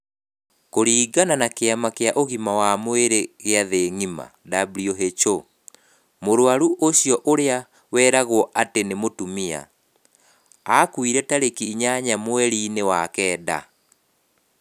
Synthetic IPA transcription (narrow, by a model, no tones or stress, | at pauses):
koɾiːɡananakeamakeaʔoɣimawamweɾeɣeaðeŋima̰dabɾioɦet͡ʃo | moɾwaɾuʔoɕiɔʔoɾea | wɛːɾaɣwɔʔatenemotumia̰ | akwiɾɛtaɾekiɲaɲamwɛɾiːnewakɛːda̰